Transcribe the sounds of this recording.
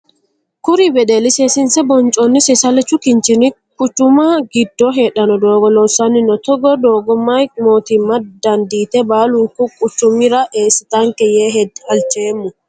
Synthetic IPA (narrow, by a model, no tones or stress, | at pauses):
kʊɾɪbɛd̪elɪsesɪnsɛbɔnt͡ʃʼɔnːɪsɛsɐlɛt͡ʃːʊkɪnt͡ʃɪnɪ | kʊt͡ʃːʊmaɡɪd̪ːɔɦeːᶑɐnɔd̪oːɡɔlɔsɐnːɪnɔt̪ɔɡɔd̪oːɡɔmːajmoːt̪imːɐd̪ɐnd̪iːt̪ɛbaːlʊŋkʊkʼʊt͡ʃːʊmːɪɾɐʔeːsɪt̪aŋkɛjeːɦɛɐlt͡ʃeːmːʊ